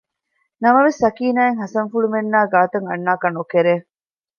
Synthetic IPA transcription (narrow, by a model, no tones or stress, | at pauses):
nɐmɐʋesːɐkiːnaːeŋɦɐsɐŋfuɭumenːaːɡaːt̪ɐŋɐ̰nːaːkɐnokeɾeː